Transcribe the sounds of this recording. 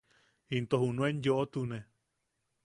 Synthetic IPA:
int̪ohunũenjoʔot̪unẽ

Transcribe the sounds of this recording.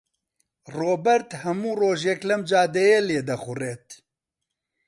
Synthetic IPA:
roːbɛɾt̪hɐmuːroːʒɛklɐmd͡ʒaːd̪ɛjeːleːd̪ɐxʊreːt̪

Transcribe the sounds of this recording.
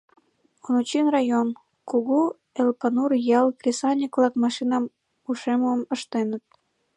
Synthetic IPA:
onut͡ɕinrɑjon | kuɣu | elpɑnurjɑlkrʲisɑnʲikvlɑkmɑʃinɑm | uʃemuəməʃt̪enət̪̚

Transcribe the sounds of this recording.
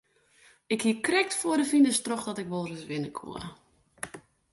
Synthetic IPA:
ɪkhiəkrɛk̚tfoədəfindəstroxdɔtɪkʋolˠrəsʋɪnəkʰṵə

